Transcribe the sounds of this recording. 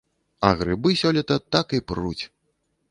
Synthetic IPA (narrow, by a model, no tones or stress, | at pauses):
ɐɣɾɨbɨsʲɔlʲit̪ɐt̪akiprṵt͡sʲ